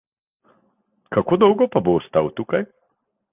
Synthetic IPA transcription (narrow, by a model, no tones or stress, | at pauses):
kakoːd̪ɔwɡɔpaboːst̪awt̪uːkaj